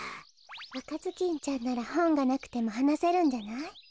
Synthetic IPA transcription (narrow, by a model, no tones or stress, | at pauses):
βakazɨkʲĩɲ̟t͡ɕãnːaɾahõ̞ŋɡanakɯ̟̥t̪e̞mo̞hanase̞ɾɯ̟̃ɲ̟d͡ʑanai